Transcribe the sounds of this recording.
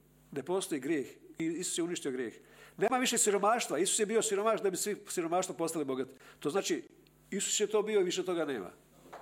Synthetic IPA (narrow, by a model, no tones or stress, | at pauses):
nepo̞st̪ojiɡɾjeːxiisu̥sjeuniʃt̪io̞ɡɾjeːxne̞ːmaʋiʃesiɾo̞maːʃt̪ʋaisu̥sjebio̞siɾo̞maːʃt̪d̪abisʋisiɾo̞maːʃt̪ʋapo̞st̪alibo̞ɡat̪i̥t̪oːzaːt͡ʃi | isu̥sjet̪o̞ːbioiʋiʃet̪o̞ɡane̞̰ːma̰